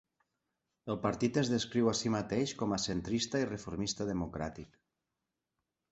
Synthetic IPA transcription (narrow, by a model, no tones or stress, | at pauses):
elˠpaɾt̪it̪ezðeskɾiwasimat̪ejʃkomasent̪ɾist̪airefoɾmist̪að̞emokɾa̰t̪ik